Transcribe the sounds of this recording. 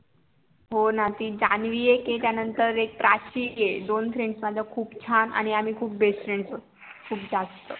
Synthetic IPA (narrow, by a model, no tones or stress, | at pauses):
ɦonat̪iːd͡ʑanʋijeket̪janənt̪əɾek̚pɾʔaɕiːjed̪onfɾeɳɖsmad̪ʱjakʰuːpt͡ɕʰana̰ɽ̃iam̤iːkʰuːp̚besfɾeɳsə | kʰuːp̚d͡zast̪ə